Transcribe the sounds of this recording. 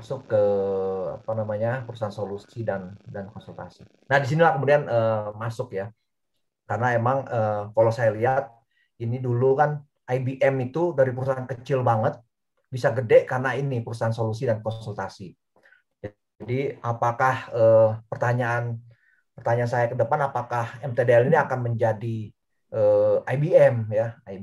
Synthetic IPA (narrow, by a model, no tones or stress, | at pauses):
masʊkːəa̰panamaɲapəɾusaansolusidandankɔnsult̪a̰si | nahdis̬inilahkəmudianʔəmasʊkja | karnaemaŋəːkalosajaliɦat̪̚ | inidulukan | ʔajbiʔɛmit̪udaɾipəɾusaankət͡ʃɪlbaŋət̪̚ | bisaɡədɛʔkarnainipəɾusaansolus̬idankɔnsult̪asi | d͡ʒa | adiapakahəːpərt̪aɲaːn | pərt̪aɲaːnsajakədəpanapakahɛmt̪edeɛliniakanməɲd͡ʒadi | ʔəajbiɛmjaa